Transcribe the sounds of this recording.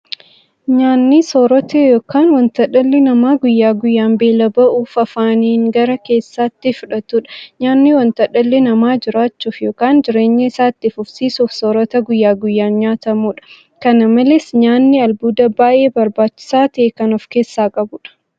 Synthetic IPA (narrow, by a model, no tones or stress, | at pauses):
ɲaːnːisoːɾɔt̪ejoːkaːnwɐnt̪ɐᶑɐlːɪnɐmaːɡʊjːaːɡʊjːaːmbe̞ːlɐbɐʔuːfɐfaːniːŋɡɐɾɐke̞ːsːaːt̪ːɪfʊᶑɐt̪uːᶑɐ̥ɲaːnːiwɐnt̪ɐᶑɐlːɛnɐmaːd͡ʒɪɾaːt͡ʃːuːfjoːkaːnd͡ʒɪɾe̞ːɲːɪɪsaːt̪ːɪfʊfsiːsufsoːɾɔt̪ɐɡʊjːaːɡʊjːaːnɲaːt̪ɐmuːᶑɐ̥ | kɐnɐmɐlesɲaːnːɪɐlbuːd̪ɐbaːʔeːbɐɾbaːt͡ʃːɪ̥saːt̪ɐʔeːkɐnɔfke̞ːsːaːkʼɐbʊᶑɐ̥